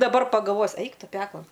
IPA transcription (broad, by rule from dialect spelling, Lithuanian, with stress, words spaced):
dɐˈbɐr pɐɡɐlˠˈʋoːjʊs ˈɛɪk ˈtʊ ˈpʲæːklˠɐn